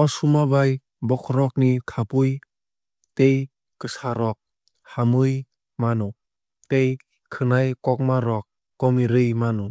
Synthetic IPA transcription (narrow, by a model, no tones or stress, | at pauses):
ɔsumabaj | bɔkʰɔɾɔk̚nikʰapuj | tej | kɯsaɾɔk̚ | hamɯj | manɔ | tej | kʰɯnajkɔk̚maɾɔk̚ː | ɔmiɾɯjmanɔ